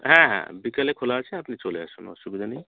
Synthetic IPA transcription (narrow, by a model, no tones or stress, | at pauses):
ɦãɦã̰bikəlekʰolat͡ʃʰɛəpnit͡ʃoleəsuno̰subid̪ʱani